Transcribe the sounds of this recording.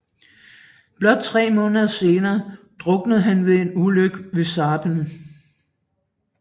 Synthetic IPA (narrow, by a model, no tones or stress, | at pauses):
b̥lɒ̽d̥̚t͡sʰʁɛ̰ːmɔ̽ːnəðˠɐse̝ːnɐːd̥ʁɔ̽ɡ̥nəð̩ˠɦænʋe̝e̝nuløɡ̥ʋe̝sɑ̈ːb̥ənə